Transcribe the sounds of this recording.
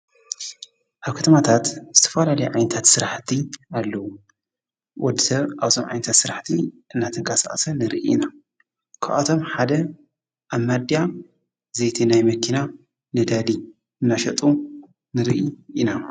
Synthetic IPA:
ʔaβkʰɐt̪ʰɐmat̪ʰat̪zɨt̪ʰɐ̥falalɐjʕajnɐt̪ʰat̪sɨɾaħt̪ʰialːɐwu | wʔɔd̪ːɨsɐβaβzʰomʕa̰jnɐt̪ʰat̪sɨɾaħt̪ʰiʔɨnːat̪ʰɨŋkʰʼasa̰ʔʼsɐnɨɾiʔina | kʰa̰ʔat̪ʰo̞mħad̪ɐ | ʔaβmːad̪ija | zejt̪ʰinajmɐkʰina | nɨd̪ali | ɨnːaʃɐt̪ʼu | nɨɾḭʔiina

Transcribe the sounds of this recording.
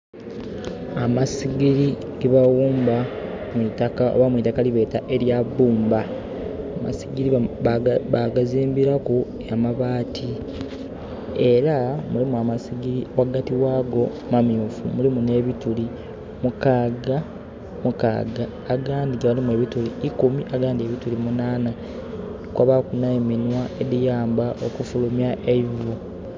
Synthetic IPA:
amasiɡiɾi | ɡiβawuːmba | mwitakao̰βamwitakaliβe̞ːtaʔe̞ɾjaβuːmba | ama̰siɡiɾi | aɡaziːmbiɾaku | amaβaːtʰi | e̞ɾamulimuamasiɡiɾiwaɡatiwaːɡo̞ | mamjuːfṵmulimune̞ːβituli | mukaːɡa | muka̰ːɡaːɡaːndiɡaalimue̞ːβituliːkumiʔaɡaːndie̞βitulimunaːna | kwaβakunaiminwaedijaːmbaʔokufulumjaʔeivu

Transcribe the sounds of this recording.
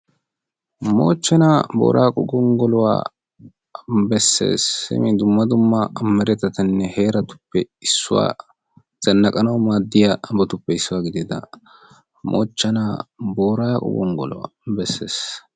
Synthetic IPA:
mo̰ːt͡ʃːɐnaːbo̰ːɾʔaːkʼʊɡʊŋɡɔlʊwa̰ː | bɛsːe̞̰ːsːɪ̰mɪd̪ʊmːɐd̪ʊmːɐmːɛɾɛt̪ːɐt̪ɐnːɛhe̞ːɾɐt̪ʊ̥pːɛɪsːʊwa̰ː | z̥ɐnːɐkʼɐnɐwmaːd̪ːɪjabɔt̪ʊpːɛɪsːʊwaːɡɪd̪ɪd̪ɐ̰ | mʔo̰ːt͡ʃːɐnaːboːɾaːkʼʊ̰ɡʊŋɡɔ̰lʊ̰wa̰ːbɛsːe̞ːs

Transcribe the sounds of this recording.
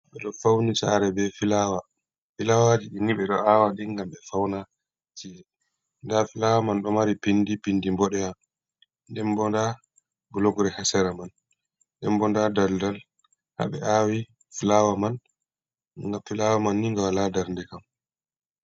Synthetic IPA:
ɓɛɗɔfawnisa̰ɾɛbɛfilaːwa | filawad͡ʒiɗiniɓɛɗɔawaɗiŋɡamɓɛfawna | tiɛ | ndafilawamanɗɔmaɾipindipindimbɔɗɛja | ndɛmbɔnda | ɡuloɡɾɛhasɛɾaman | ɗɛmbɔndadaldal | ha̰ɓɛ̰awi | filawaman | ŋɡafilawamanːiŋɡawaladaɾndɛkam

